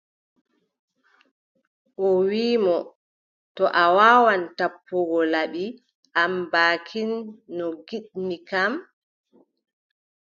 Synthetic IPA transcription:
ʔɔwiːmɔ | tɔʔawaːwantapːɔɡɔlaɓi | ʔambaːkʰinːɔɡiɗmikam

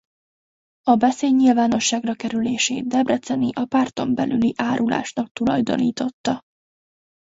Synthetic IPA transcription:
ɒbɛseːɟɲilvaːno̞ʃːaːɡrɒkɛɾyleːʃeːd̪ɛbrɛt̪sɛniʔɒpaːrt̪o̞mbɛlʔyliʔaːɾʔula̰ːʃnɒk̚t̪ulɒ̰jd̪o̞̰niːt̪o̞t̪ːɒ

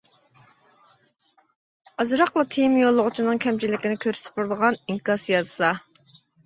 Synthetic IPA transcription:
ɑzɾɑqlˠɑt̪ʰejmjolˠːʊʁʊt͡ʃʰinɨŋkʲʰɛmt͡ʃʰilːɪkʲɪnɪkʲʰøɾsɪ̥p̚uɾlˠəʁɑniŋkɑsjɑzɨ̥sɑ

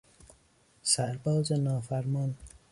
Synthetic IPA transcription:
sæɾbɔːzenɒːfæɾmɔn

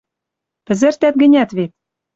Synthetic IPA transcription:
pɘ̆zɘ̆ɾt̪æt̪̚ɡɘ̆nʲæt̪βet̪̚

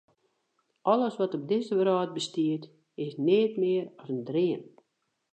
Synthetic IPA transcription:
ʔɔləsʋɔtɔb̚dɪzəʋəɾɔːt̚bəstiət | ɪsnɪːtmɪəɾɔsəndrɪən

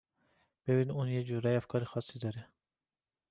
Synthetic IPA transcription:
b̥ebinunjed͡ʒuɾæjæfkʰɒːɾixɒsːid̪ɒɾɛ

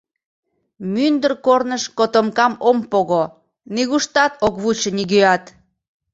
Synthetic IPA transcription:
mynd̪ərkornəʃkot̪omkɑmompoɣo | niɣuʃt̪ɑt̪okβut͡ɕəniɣøɑt̪

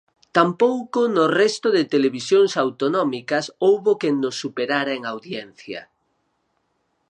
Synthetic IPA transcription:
t̪ampowkonʊrɛst̪oðɪt̪eleβisjoŋsawt̪onɔmikɐsowβokenːosːupeɾaɾaeŋawðjɛnθjɐ̰

